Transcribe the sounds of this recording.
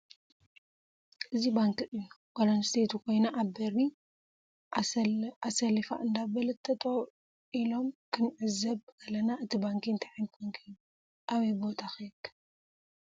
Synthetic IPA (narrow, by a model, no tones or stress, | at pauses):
ʔɨzibaŋkɨʔɨjːu | walɐnst̪ʰet̪ʰukʰo̞jnaʔaβbɐɾi | asɐlifa̰ʔɨnd̪aβɐlɐt̪ʰːɐt̪ʼo | ʔilo̞mkʰɨnʕɨzɐβkʰɐlɐnaʔɨt̪ʰibaŋkint̪ʰaħint̪ɐŋkʰɨjːu | ʔaβɐjbo̞t̪ʰaxɐjkːɐ̥